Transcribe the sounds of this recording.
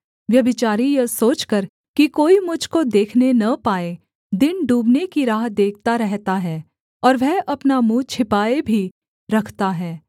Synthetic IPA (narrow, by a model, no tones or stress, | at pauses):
ʋjɐbɪt͡ʃaːɾijɐsoːt͡ʃkɐɾ | kikoːimʊd͡ʒʱkod̪eːkʰnenɐpaːe | d̪ɪnɖuːbnekiɾaːɦd̪eːk̚ʰt̪aɾɛɦt̪aɦɛː | ɔːɾʋɛɦʔɐpnamũt͡ʃʰɪpaːebʱi | ɾɐkʰt̪aɦɛː